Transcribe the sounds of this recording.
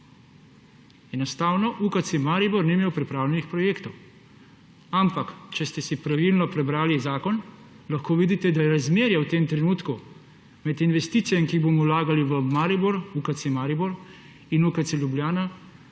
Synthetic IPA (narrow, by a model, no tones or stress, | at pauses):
ɛnɔst̪aːwnɔʔukat̪semaːɾibɔɾniimeːwpɾipɾaːwlʲjɛnixpɾɔjeːkt̪ɔw | ampakt͡ʃɛst̪ɛsipɾaʋilnɔpɾɛbɾaːlizaːkɔn | laxkoːʋiːd̪it̪ɛd̪ajɛɾazmeːɾjɛwt̪eːmt̪ɾɛnuːt̪ku | mɛd̪inʋɛst̪iːt̪sijɛmkiɣboːmɔwlaːɡaliʋəmaːɾibɔɾukat̪semaɾibɔɾ | inukat̪sɛlʲjubljaːna